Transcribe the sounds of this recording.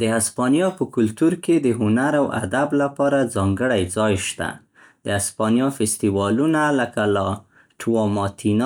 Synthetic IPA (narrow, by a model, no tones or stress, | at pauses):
d̪əaspɑnjɑpəkʊlt̪uɾked̪əɦʊnaɾawa̰d̪ablapɑɾad͡zɑŋɡəɽajd͡zɑjʃt̪a̰ | d̪əaspɑnjɑfɪst̪iwɑlunaləkala | ʈʰwɑmɑt̪ʰin